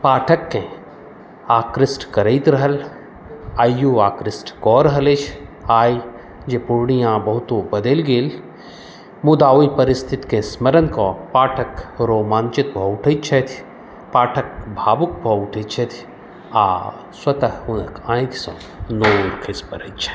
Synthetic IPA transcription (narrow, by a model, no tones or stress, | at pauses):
paːʈʰəkːẽ | aːkɾɪsʈkɐɾəjt̪ɾɐɦəl | aːjːuaːkɾɪsʈkɔːɾɐɦəlet͡ʃʰaːi | d͡ʒepuɾɳijãbɐɦut̪obɐd̪elɡeːl | mud̪aːoipɐɾɪst̪ʰit̪kẽsməɾənkɔpaːʈʰəkɾoːmaːnt͡ʃit̪̚bʱɔuʈʰəjt̪t͡ʃʰɛt̪ʰ | paːʈʰək̚bʱaːbuk̚bʱɔuʈʰət̪̚t͡ʃʰɐt̪ʰ | a̰ː | swɐt̪ɐɦunəkʰãːĩk̪sɔ̃ː | noːɾkʰespɐɾəit̪t͡ʃʰe̥